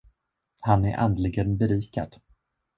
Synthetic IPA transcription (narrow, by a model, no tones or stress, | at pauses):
hanæɾʔa̰nd̪lɪɡənbɛɾiːka̰d̪̥